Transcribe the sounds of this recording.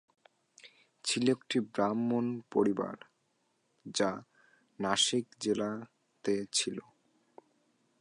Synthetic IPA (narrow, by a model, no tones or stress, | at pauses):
t͡ɕʰilek̚ʈibɾamːonpoɾiba̰ɾ | d͡ʑa | naʃikd͡ʑela | t̪et͡ɕʰilo